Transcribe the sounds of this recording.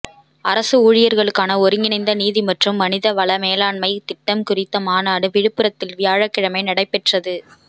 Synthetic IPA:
ɐɾɐsɯuːɻɪjɐɾɣɐɭɯkːaːnɐɔɾɯŋɡɪnɐɪnd̪ɐniːðimɐʈrɯmːɐnɪðɐʋɐɭɐmeːlaːɳmɐɪt̪ɪʈːɐmkʊrɪt̪ːɐmaːnaːɽɯʋɪɻɯpːɯɾɐt̪ːɪlʋɪjaːɻɐkːɪɻɐmɐɪnɐɽɐɪpːɛʈrɐðɯ

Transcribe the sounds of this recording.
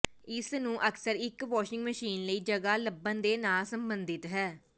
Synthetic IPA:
ɪsnũːʔəksəɾɪkʋɔːʃɪ̃ŋɡməʃiːnləiːd͡ʒəɡaːləbːənd̪eːnaːlsəmbənd̪ɪt̪ɦɛː

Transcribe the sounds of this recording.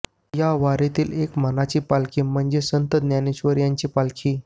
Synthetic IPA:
jaʋaɾet̪iːlekmənat͡ɕiːpalkʰiːm̤əɳd͡ʑesənt̪əd̪njaneɕʋəɾjaɲt͡ɕiːpalkʰiː

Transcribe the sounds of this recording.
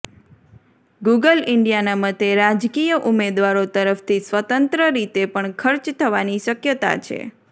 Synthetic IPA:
ɡuɡəlɪɳɖijanamət̪eɾad͡ʒkijəʔumed̪ʋaɾot̪əɾəft̪ʰisʋət̪ənt̪ɾəɾit̪epəɳkʰəɾt͡ʃt̪ʰəʋaniʃəkjət̪a̰t͡ʃʰḛ

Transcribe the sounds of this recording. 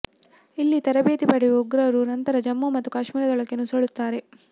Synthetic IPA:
ilːit̪ɐɾɐbeːt̪ipɐɽiʋeuɡɾɐɾunɐnt̪ɐɾɐd͡ʒɐmːumɐt̪ːukaːʃmiːɾɐd̪ɔɭɐkːenusoɭut̪ːaːɾe̞

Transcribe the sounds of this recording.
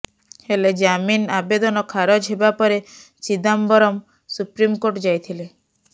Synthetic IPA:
heled͡ʒaminabed̪ɔnɔkʰaɾɔd͡ʒɦebapɔɾe | t͡ʃid̪ambɔɾɔm | supɾimkoɾʈd͡ʒajt̪ʰile

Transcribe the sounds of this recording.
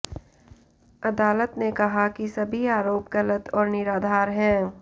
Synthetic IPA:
ɐd̪aːlət̪nekɐɦakisɐbʱiaːɾoːpɡɐlət̪ɔːɾnɪɾaːd̪ʱaːɾɦɛ̃ː

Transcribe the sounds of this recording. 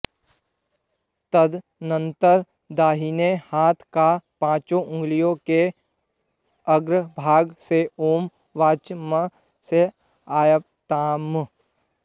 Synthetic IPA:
t̪əd̪ | nə̃nt̪əɾ | d̪aːɦiːnehaːt̪ʰkapãːt͡ʃõʔʊ̃ŋɡlijõke | əɡɾəbʱaːɡseoːm | ʋaːt͡ʃmə | se | aːjəp̚t̪aːm

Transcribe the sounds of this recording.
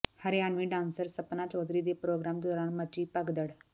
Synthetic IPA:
həɾeaɳʋiːɖãnsəɾsəpnat͡ɕəwd̪ʱɾiːd̪epɾoːɡɾamd̪oɾaɳmət͡ɕiːpəɡd̪əɽ

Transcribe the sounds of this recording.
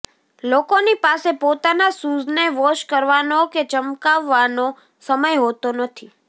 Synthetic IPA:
lokonipasepot̪anasuzneʋoʃkəɾʋanoket͡ʃəmkaʋːano | səməjɦot̪onət̪ʰi

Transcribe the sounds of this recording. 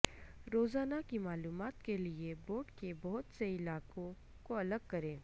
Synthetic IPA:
ɾoːzaːnakimaːluːmaːt̪kelieboːɖkebɐɦʊt̪seɪlaːkõ | koɐləɡ̚kɐɾẽː

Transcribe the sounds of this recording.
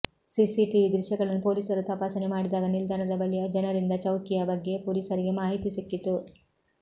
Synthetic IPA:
sisiʈiid̪ɾɪʃjɐɡɐɭɐnːupo̞ːliːsɐɾut̪ɐpaːsɐnemaːɽid̪aːɡɐnild̪ʱaːnɐd̪ɐbɐɭijɐd͡ʒɐnɐɾind̪ɐt͡ʃɐwk̪ijɐbɐɡːe̞poːliːsɐɾiɡe̞maːɦit̪isikːit̪u

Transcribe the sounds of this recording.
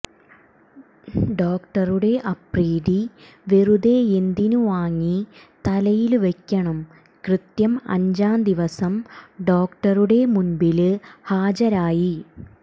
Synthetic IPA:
ɖoːkʈɐruɽe̞ʔɐpreːði | ʋerud̪eend̪inuʋaːŋːit̪ɐlɐjilʋekʲːɐɳɐm | krɨt̪jɐmɐ̰ɲd͡ʑaːnd̪iʋɐsɐmɖo̞ːkʈɐruɽe̞munbilhaːd͡ʑɐɾaːji

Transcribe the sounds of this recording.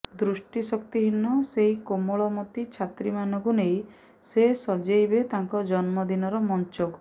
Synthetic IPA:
d̪ɾusʈisɔkt̪iɦinːɔseɦikomoɭɔmɔt̪it͡ʃʰat̪ɾimanɔŋkunej | sesɔd͡ʒejbet̪aŋkɔd͡ʒɔnmɔd̪inɔɾɔmɔnt͡ʃok

